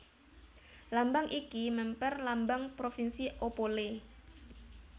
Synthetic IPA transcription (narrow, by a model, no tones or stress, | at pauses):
lambaŋʔikimɛmpɛrlambaŋpɾofinsiʔopole